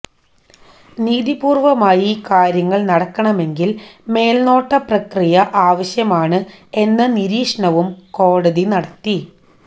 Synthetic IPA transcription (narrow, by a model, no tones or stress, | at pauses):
niːðipuːrʋɐmaːjikaːɾjɐŋːɐɭnɐɽɐkːɐɳɐme̞ŋɡilme̞ːlno̞ːʈːɐprɐkrijɐʔaːʋɐɕjɐmaːɳɨe̞nːɐniɾiːʂɐɳɐʋumko̞ːɽɐðinɐɽɐt̪ːi